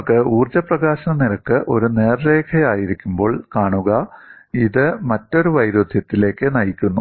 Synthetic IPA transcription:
kːɨuːrd͡ʑɐprɐɣaːɕɐnɐmniɾɐkːɨʔo̞ɾuneːrːe̞ːkʰɐjaːjiɾikʲːumbo̞ːɭkaːɳuɣɐiðɨmɐtːo̞ɾuʋɐjɾod̪ʱjɐt̪ːile̞ːkːɨnɐjikʲːunːu

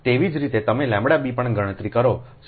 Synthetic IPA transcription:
t̪eʋid͡ʒɾit̪et̪əmelɛ̃mbɽabipəɳɡəɽ̃ə̃t̪ɾikəɾos

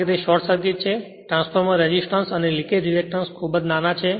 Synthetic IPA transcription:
et̪eʃɔɾʈsəɾɡit̪̚t͡ʃʰe | ʈɾãnsfʰəɾməɾɛd͡ʒisʈãnsənelĩked͡ʒiɾek̚ʈənskʰubəd͡ʒnanat͡ʃʰe

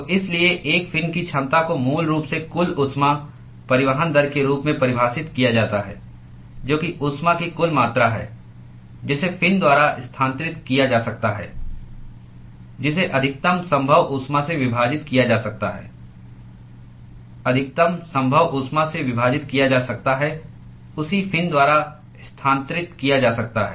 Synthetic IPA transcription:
ʔɪslieʔeːkfɪnkit͡ʃʰə̃nt̪akomuːlɾuːpsekʊlʊt̪sma | pɐɾɪʋəɦənd̪əɾkeɾuːpmẽpɐɾɪbʱaːsɪt̪kijad͡ʒaːt̪aɦɛ̰ː | d͡ʒoːkiʔʊt̪smakikʊlmaːt̪ɾaɦɛ̰ː | d͡ʒɪsefʰɪnd̪waːɾaʔɪst̪ʰãːnt̪ɾɪt̪kijad͡ʒaːsɐk̚t̪aɦɛ̰ː | d͡ʒɪs̬eʔɐd̪ʱɪk̚t̪əmsɐ̃mbʱəʋʔʊsmãseʋɪbʱaːd͡ʒɪt̪kijad͡ʒaːsɐk̚t̪aɦɛ̰ː | ɐd̪ʱɪk̚t̪əmsɐ̃mbʱəʋʔʊsmãseʋɪbʱaːd͡ʒɪt̪kijad͡ʒaːsɐk̚t̪aɦɛ | ʊsipʰɪ̃nd̪waːɾa | ɪst̪ʰãːnt̪ɾɪt̪kijad͡ʒaːsɐk̚t̪aɦɛ̰ː

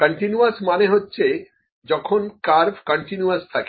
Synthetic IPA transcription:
kəɳʈinuasmaneɦotːɕʰe | d͡ʑɔkʰonkaɾbkəɳʈinuast̪ʰake

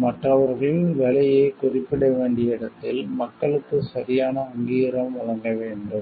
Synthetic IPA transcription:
mɐʈrɐʋɐɾɣɐɭʋɛlɐjɐɪkʊrɪpːɪɽɐʋeːɳɖɪjɐɪɽɐt̪ːɪlmɐkːɐɭɯkːɯsɐɾɪjaːnɐːŋɡiːɾɐmʋɐɭɐŋɡɐʋeːɳɖɯm

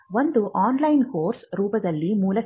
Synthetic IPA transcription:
ʋɐnd̪ɯʔaːnlɐɪnkoːɾsɾuːbɐðɐlːimuːlɐ

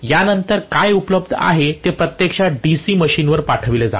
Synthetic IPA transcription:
janənt̪əɾkajupləbd̪ʱa̰ɦet̪epɾət̪jekʂaɖisiːməɕiːnʋəɾpaʈʰəʋiled͡za̰

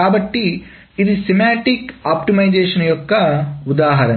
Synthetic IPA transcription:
aːbɐʈːiː | d̪isemaːʈikaːpʈimɐjd͡ʒeːʃɐnɐjokːɐud̪aːɦɐɾɐ

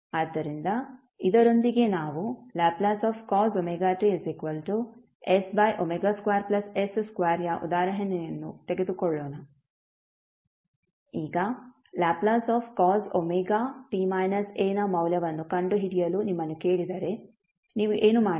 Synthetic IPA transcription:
aːd̪ːɐɾind̪ɐ | id̪ɐɾo̞nd̪iɡe̞naːʋulaːplaːsaːfkɔːzomeːɡaːʈeesikʋɐlʈu | esbɐjʔomeɡaːskʋaːɾplɐsesskʋaːɾjaʔṵd̪aːɾɐɦɐnɛjɐnːṵt̪eɡe̞d̪ukɔɭːɔːnɐ | iːɡɐ | laːplaːsaːfkɔːzomeːɡaːʈiːmajnɐseːnɐmɐwljɐʋɐnːukɐɳɖuɦiɽijɐluːnimːɐnːuke̞ːɭid̪ɐɾe̞ | niːʋuʔeːnumaː

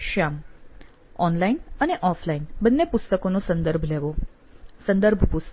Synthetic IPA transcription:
ʃam | ɔnlainəneʔɔflainbənːepʊst̪əkonosənd̪əɾbʱleʋo | sə̃nd̪əɾbʱpust̪

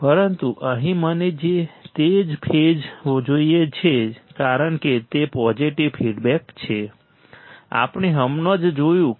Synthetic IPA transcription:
pəɾənt̪uʔəɦĩməned͡ʒet̪ed͡ʒpʰed͡ʒʋod͡ʒoijet͡ʃʰekaɾəɳket̪epɔd͡ʒiʈiʋfʰiɖbɛkt͡ʃʰe | a̰pɳ̃eɦəmnod͡ʒd͡ʒojũ

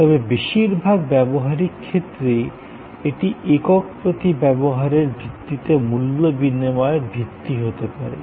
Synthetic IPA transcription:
t̪ɔbebeʃiɾbʱaɡ̚bɛboɦaɾikkʰːet̪ːɾe | eʈiekɔk̚pɾot̪ibɛboɦaɾeɾbʱit̪ːit̪emulːobinːimɔeɾbʱit̪ːiɦot̪epaɾḛ

